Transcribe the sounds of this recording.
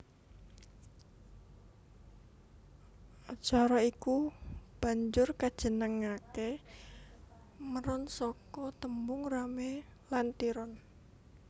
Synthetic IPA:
t͡ʃaɾɔikub̥a̤ɲd͡ʒʊrkad̥ʒ̥ə̤nəŋake | məɾɔnsɔkɔt̪əmbʊŋramelant̪iɾɔn

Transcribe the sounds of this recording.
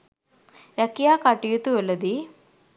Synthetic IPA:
ɾɐkːijaːkaʈːijut̪uɐlːɐd̪i

